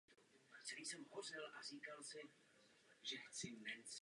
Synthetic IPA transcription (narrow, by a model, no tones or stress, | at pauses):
sɛɾiːsɛmɦor̝ɪlʔariːkalsɪ | ʒɛxt͡sɪnɛt͡s